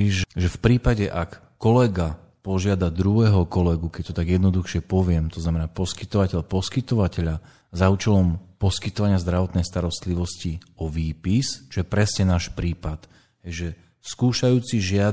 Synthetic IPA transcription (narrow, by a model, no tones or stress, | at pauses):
iʒɛfpɾiːpaɟɛʔakːɔlɛɡa | pɔʒɪad̪ad̪ɾuɦɛɦɔkɔlɛɡukɛc̚t̪ɔt̪aɡjɛd̪nɔd̪uxʃɪɛpɔʋɪɛmt̪ɔznamɛnaːpɔskit̪ɔʋacɛʎpɔskit̪ɔʋacɛʎa | zaut͡ʃɛlɔmpɔskit̪ɔʋaɲɪazd̪ɾaʋɔt̪nɛjst̪aɾɔst̪liʋɔsciɔʋiːpist͡ʃɔjɛpɾɛsɲɛnaːʃpɾiːpat̪ | ɦɛjʒɛ | skuːʃajuːt͡siʒɪa